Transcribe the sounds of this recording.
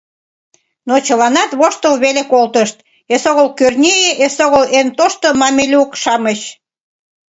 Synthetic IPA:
not͡ɕəlɑnɑt̪βoʃt̪əlβelekolt̪əʃt̪ | esoɣəlkørnʲejeʔesoɣəlent̪oʃt̪omɑmʲelʲukʃɑməɕ

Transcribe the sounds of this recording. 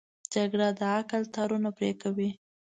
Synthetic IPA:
d͡ʒaɡɽad̪əakəlt̪ɑɾunapɾekawi

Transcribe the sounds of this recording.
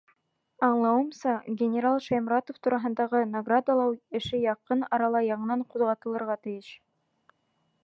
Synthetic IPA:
ɑɴlˠɑwɤ̆msɑɡʲɪnʲɪɾalˠʃɑjmrat̪oft̪uɾɑɦɤ̆nd̪ɑʁɤnɐɡrad̪alˠɑwɘ̆ʃɘjɑqɤnɑɾɑlˠɑjɑɴɤ̆nɑɴquðʁɑt̪ɤ̆lˠɤ̆ɾʁɑt̪ɘ̆jɘʃ

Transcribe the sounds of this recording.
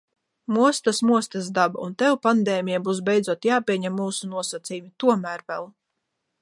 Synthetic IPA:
muɔst̪asmuɔst̪asd̪aba̰unt̪ɛwpand̪eːmʲijabuːsbɛjd̪zuɔt̪jaːpʲiɛɲɛmːuːsunuɔsat̪sijumit̪uɔmæːɾvɛ̰lˠ

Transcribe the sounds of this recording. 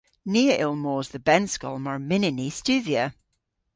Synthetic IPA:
niːəʔɪlˠmoːzðəbɛnskɔ̰lˠməɹmɪnɪnist͡ʃʉðiə

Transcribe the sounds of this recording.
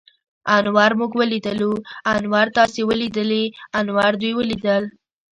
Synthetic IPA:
ɑnwɑɾmuɡwəlid̪əluɑnwɑɾt̪ɑsewəlid̪əleanwɑɾd̪ujwəlid̪əl

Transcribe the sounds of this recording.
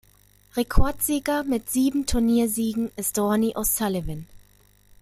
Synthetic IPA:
ʁekʰɔɐtz̥iːɡɐmɪtz̥iːbm̩tʰuɐniːɐziːɡŋ̩ɪstd̥ɔɐniʔaʊstalevɪn

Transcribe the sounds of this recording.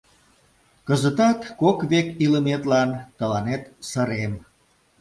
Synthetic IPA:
kəzət̪ɑt̪ːokβekiləmet̪lɑnt̪əlɑnet̪səɾem

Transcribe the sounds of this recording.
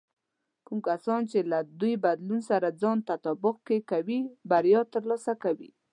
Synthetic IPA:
kumkasɑnt͡ʃelad̪ujbad̪lunsaɾad͡zɑnt̪at̪ɑbʊq̚kekawibaɾjɑt̪əɾlɑsakawi

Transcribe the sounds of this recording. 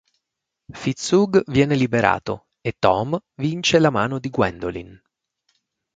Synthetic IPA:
fit̪suɡvjɛːnelibeɾa̰ːt̪o̰ | et̪ːɔmvint͡ʃelamaːnod̪iɡwɛ̰nd̪olḭn

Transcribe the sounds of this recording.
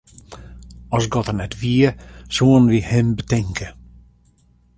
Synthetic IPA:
ɔsɡɔt̪ənɛtviːəsuːənvihɛmbətʰɛŋkə

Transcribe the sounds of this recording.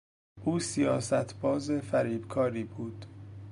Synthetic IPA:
ʔuːsijɒːsæt̪ʰbɒːzefæɾiːbkʰɒːɾiːbuːd̪̥

